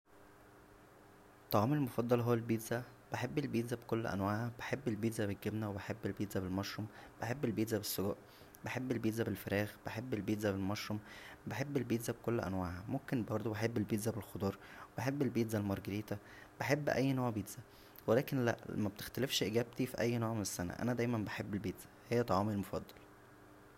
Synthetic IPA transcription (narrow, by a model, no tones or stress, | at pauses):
t̪ˤːɑʕɑːmelmofɑd̪ˤːɑlɦowːælbiːd̪zæ | b̥eħebːelbiːd̪zæbekolːʔæ̰nwaːʕhæb̥eħebːelbiːd̪zæbeɡːebnæwebeħebːelbiːd̪zæbelmɑʃɾomb̥eħebːelbiːd̪zæbesːoɡuːʔ | beħebːelbiːd̪zæbelfeɾæːɣb̥eħebːelbiːd̪zæbelmɑʃɾombeħebːelbiːd̪zæbekolːʔæ̰nwaːʕhæmomkenbɑɾˤd̪ˤobeħebːelbiːd̪zæbelxod̪ˤɑːɾˤweb̥eħebːelbiːd̪zælmɑɾˤɡeɾiːt̪æ | b̥eħebːʔæjːnoːʕbiːd̪z̥æ | welæːkenlæ̰ʔmæbet̪e̥xt̪ælefʃʔeɡæːb̚t̪ifiʔæjːnoːʕmenesːænæ̰ʔæ̰næd̪æːjmænbeħebːelbiːd̪z̥æ̥hejːæt̪ˤɑʕɑːmilmofɑd̪ˤːɑl